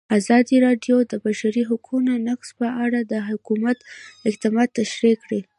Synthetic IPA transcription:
azɑd̪iɾɑɖjod̪əbaʃaɾiɦʊkʰunonakspəʔaɽad̪əɦʊkumat̪ɪqt̪ɪmɑd̪̚t̪ːaʃɾekɽi

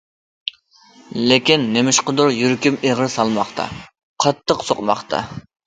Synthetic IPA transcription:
lekʲinːemɪʃqəd̪ʊɾjyɾkʲimeʁɪsɑlˠmɑχt̪ʰɑ̰ | qʰɑt̪ʰːəqsoqmɑχt̪ʰɑ̰

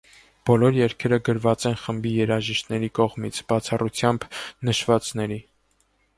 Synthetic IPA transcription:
b̥ɔlɔɾjɛɾkʰɛɾəɡəɾvɑt͡sɛnχəmbijɛɾɑʒiʃt̪nɛɾikɔʁmit͡sʰb̥ɑt͡sʰɑrut͡sʰjɑmbnəʃvɑt͡snɛɾi

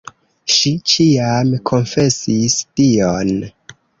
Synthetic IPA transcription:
ʃit͡ʃiamkʰo̞nfe̞sistion

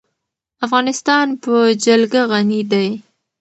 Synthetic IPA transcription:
afɣɑnɪst̪ɑnpəd͡ʒalɡaɣanid̪aj

